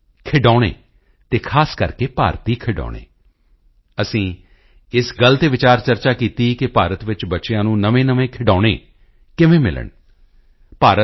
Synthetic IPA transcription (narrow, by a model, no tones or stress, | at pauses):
kʰɪɖaːɽ̃ḛː | t̪eːkʰaːskəɾkeːpa̰ːɾt̪iːkʰɪɖɔ̰ːɽ̃ḛː | əsĩː | ɪsɡəlt̪eːʋɪt͡ʃaːɾt͡ʃəɾt͡ʃaːkiːt̪iːkɪpaːɾət̪ʋɪt͡ʃbətːʃejãːnũːnəʋẽːnəʋẽːkʰɪɖaːɽ̃eː | kɪʋẽːmɪ̰lə̰ɳ | paːɾə